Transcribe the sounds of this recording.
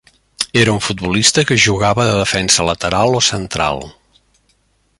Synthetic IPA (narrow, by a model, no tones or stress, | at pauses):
eɾəuɱfut̪̚bulist̪əkəʒuɣaβəðəðəfɛnsələt̪əɾalˠosənt̪ɾa̰lˠ